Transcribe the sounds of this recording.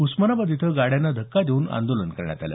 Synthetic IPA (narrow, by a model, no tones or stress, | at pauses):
usmənabəd̪ʱit̪ʰəɡaɽjanːad̪ʱəkːad̪ʱeuːna̰nd̪olənkəɾɳja̰t̪alə̰